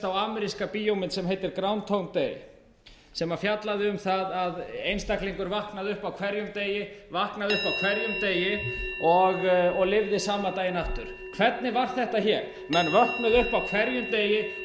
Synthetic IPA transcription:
t̪awaːmɛɾiskapiːjowmɪnsɛmɦejt̪ɪɾkɾawnt̪ʰownt̪ej | sɛmafjat̪laðɪʏmθaðaðejnst̪akliŋkʏɾvahknaðʏhpawkʰv̥ɛɾjʏmt̪eːjɪvahknaðʏhpawkʰv̥ɛɾjʏmt̪eːjɪɔɣɔɣlɪvðɪsaːmat̪aːjɪnaft̪ʏɾ̥ | kʰvɛt̪̚nɪvaɾ̥θɛht̪açɛɾ̥ | mɛnvœrknʏðʏhpawkʰv̥ɛɾjʏmt̪eːjɪ

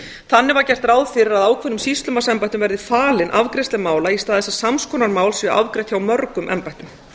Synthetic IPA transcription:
θanːɪvaɾcɛr̥t̪raːwðfɪɾɪɾaðaːwkʰvɛnʏmsist̪lʏmasɛmpajt̪ʏmvɛɾðɪfaːlɪnʔavkɾɛst̪ɪmaːwlaist̪aːðɛsːḁsamskʰɔːnaɾmaːwlsviaʔavkɾɛht̪çawmœɾkʏmʔɛ̰mpajt̪ʏm

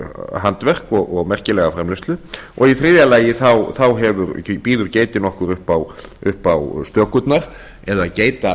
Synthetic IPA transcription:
ɦant̪vɛr̥kɔɣɔɣmɛr̥cɪlɛɣafɾɛmlɪst̪lʏɔɣiθɾiːðjalaːjɪθawθawɦɛvʏɾpiːðʏɾceːjt̪ɪnɔhkʏɾʏhpawʏhpawst̪œhkʏt̪naɾ̥ | ɛðaðceːjt̪a

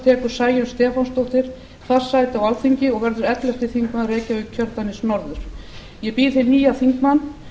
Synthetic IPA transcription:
t̪ʰɛːkʏɾ̥saːjʏnst̪ɛːfɔnst̪owht̪ɪɾ̥ | θḁsaːjt̪ɪawalt̪θiɲcɪɔɣvɛɾðʏɾɛt̪lɛft̪ɪθiŋkmaðrɛːcaʏcʰœɾt̪anɪsnɔɾðʏɾ̥ | jɛpiːðθeniːjaθiŋkmanː

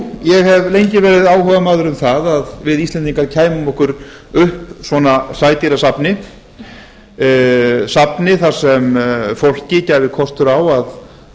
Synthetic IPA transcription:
jɛɣɦɛvlejɲcɪvɛːɾɪðaːwhœvamaːðʏɾʏmθaðaðvɪðist̪lɛnt̪iŋkaɾcʰaːjmʏmɔhkʏɾ | ʏhpsvɔnasaːjt̪iɾasapnɪ | sapnɪθasɛmfowl̥cɪcaːjvɪkʰɔst̪ʏɾawað

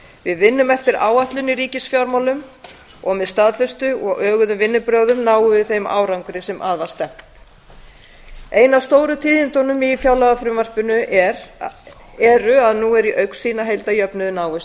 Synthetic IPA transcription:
vɪðvɪnːʏmɛft̪ɪɾa̰ːwaht̪lʏniɾiːcɪsfjawɾmawlʏm | ɔɣmɛðst̪aːðfɛst̪ʏɔɣʔœːɣʏðʏmvɪnːʏpɾœwðʏmnaːwʏvɪðθejma̰ːwɾawŋkɾɪsɛmʔa̰ːðvḁst̪ɛm̥t̪ | eːjnavst̪owɾʏt̪ʰiːðɪnt̪ɔnʏmifjaːwlaɣafɾʏmvar̥pʏnʏɾ | ɛɾʏaðnuɛɾiʔœɥksiːnaɦejlt̪ajœpnʏðʏnaːwʏ

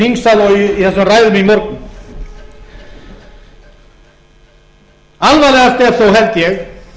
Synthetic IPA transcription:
iŋsalɔɣiiθɛsamraːjðʏmɪimɔɾknʏ | alvalɛɣast̪ɛɾθowɦɛlt̪jɛɣ

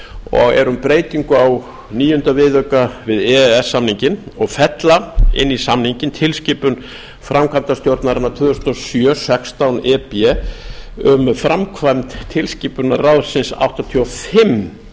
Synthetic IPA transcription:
ɔ̰ɣɛ̰ɾʏmpɾeːjt̪iŋkʏaw | niːjʏʏnt̪avɪðœkavɪðɛɛsːamniɲcɪnɔɣfɛt̪laɪ̰nːisamniɲcɪnt̪ʰɪlscɪːpʏn | fɾʔamkʰant̪ast̪jowɾt̪naɾɪnːat̪ʰʏːðʏɾst̪ɔsjœːsɛkst̪awnɛːpɛ | ʏmfɾamkʰvajmt̪t̪ʰːɪlscɪːpʏnarawðsɪnsa̰wht̪at̪ʰiɔfɪm

